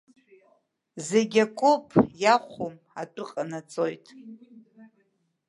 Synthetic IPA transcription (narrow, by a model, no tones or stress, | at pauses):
zeɡʲakʷʼʊpʰʼjaχʷom | atʷʼʊqʼanat͡sʼojtʼ